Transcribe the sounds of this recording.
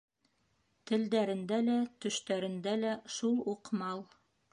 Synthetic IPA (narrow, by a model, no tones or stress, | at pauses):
t̪ɘ̆ld̪æɾɘ̆nd̪ælæt̪ɵ̆ʃt̪æɾɘ̆nd̪ælæʃulˠuqmɑlˠ